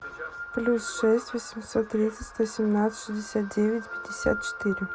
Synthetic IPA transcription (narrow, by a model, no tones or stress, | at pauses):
plʲusʂɛsʲtʲvɔsʲɪmʲsot̪ːɾʲit̪sətʲst̪osʲɪmnat̪sət̪ʂɨzʲdʲɪsʲat̪̚dʲevʲɪtʲpʲɪdʲɪsʲa̰t̪̚t͡ɕɪ̥t̪ɨɾʲɪ